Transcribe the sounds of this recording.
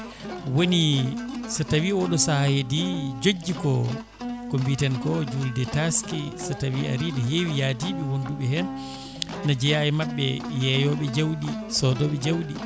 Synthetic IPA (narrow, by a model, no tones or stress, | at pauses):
wonisatawiɔɗɔsahahedid͡ʒod͡ʒːikɔ | kombitɛnkɔd͡ʒuldɛtaskisatawiʔa̰ɾinɔɦewijadiɓɛwonduɓɛɦɛnː | ad͡ʒɛjajɛmaɓːɛjɛjɔɓɛd͡ʒawɗisɔdɔɓɛd͡ʒawɗi